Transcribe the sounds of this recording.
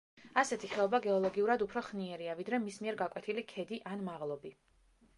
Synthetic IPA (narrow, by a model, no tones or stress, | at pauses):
asɛt̪ʰiχɛɔbaɡɛɔlˠɔɡiuɾad̪upʰɾɔχniɛɾiavid̪ɾɛmismiɛɾɡakʼwɛt̪ʰilikʰɛd̪iʔanmaʁlˠɔbi